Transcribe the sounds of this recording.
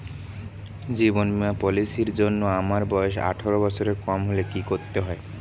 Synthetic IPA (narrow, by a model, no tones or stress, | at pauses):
d͡ʑibonmiapɔlisiɾd͡ʑonːoamaɾbɔeʃa̰ʈʰoɾobɔt͡ɕʰoɾeɾkɔmɦolekikoɾt̪ːeɦɔe